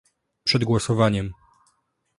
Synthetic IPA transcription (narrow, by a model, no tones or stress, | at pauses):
pʂɛd̪ɡwɔsɔvaɲɛm